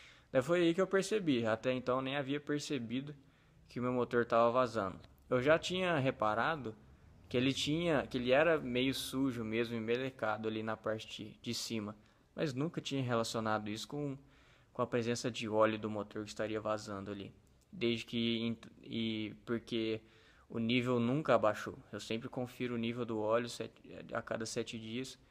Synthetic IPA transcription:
d̪ɛfojaikɪewpeɾsebiat̪ɛẽnt̪ɐ̃w̃nẽj̃aviɐpeɾsebid̪ʊ | kɪʊmewmot̪oɾt̪avɐvazɐ̃nd̪ʊ | ewʒat͡ʃĩɲɐɦepaɾad̪ʊ | kɪelɪt͡ʃĩɲɐkɪelɪɛɾɐmejʊsuʒʊmezmʊɪmelekad̪ʊɐlinɐpaɾt͡ʃɪ̥t͡ʃd͡ʒɪd͡ʒɪsĩmɐ | mɐ̰znũkɐt͡ʃĩɲɐɦelasionad̪ʊisʊ̥kõ | kõɐpɾezẽsɐd͡ʒɪɔʎʊd̪ʊmot̪oɾkɪst̪aɾiɐvazɐ̃nd̪ʊalḭ | d̪ezd͡ʒɪkɪẽɪpoɾke | ʊ̰nivewnũkɐabaʃowewsẽmpɾɪkõfiɾʊːnivewd̪ʊɔlʊsɛt͡ʃa̰ka̰d̪ɐsɛt͡ʃɪd͡ʒiɐs

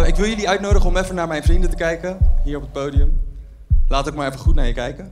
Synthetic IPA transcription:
ɪkʋɪlˠjəliœɥtnowdəχəɔmɛfənaːɹmɛjnfrindətəkɛjkəɦiːɹɔpət̚powdiəm | laːtʋək̚maːɹɛfəχutnaːɹjəkɛjkə

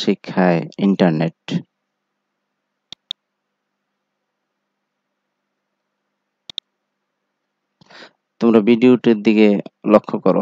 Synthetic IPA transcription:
ʃikʰːaeiɳʈaɾneʈ | t̪omɾabiɖioʈiɾd̪ikelokʰːokɔɾo̰

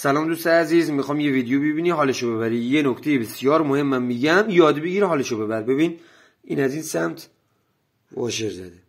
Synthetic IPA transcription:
sælɒːmd̪ust̪eæziːzmixɒːjmjeviːd̪ejobebiːniɦɒːleʃobe̞βæɾijenokt̪ʰejebe̞sjɒːɾmohe̞mːæmːiɟæmjɒːd̪beɡiːɾɦɒːleʃobe̞bæɾbe̞biːn | ʔḭːnæziːnsæmt̪ʰ | vɒ̰ːʃeɾzæ̰d̪e

